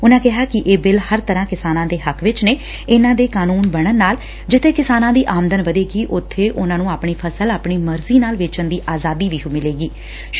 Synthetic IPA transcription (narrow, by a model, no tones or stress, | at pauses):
ʊnãːkɪɦaːkɪʔeːbɪlhəɾt̪əɾãːkɪsaːnãːd̪eːɦəkʰʋɪt͡ʃneː | ɪnãːd̪eːkaːnuːnbəɽənaːl | d͡ʒɪt̪ʰeːkɪsaːnãːd̪iːʔaːmd̪ənʋəd̪eːɡiːʔʊt̪ʰːeːʔʊnãːnũːaːpɳ̃iːpʰəsəlaːpɳiːməɾziːnaːlʋɪt͡ʃənd̪iːʔaːzaːd̪iːʋiːɦʊmɪleːɡiː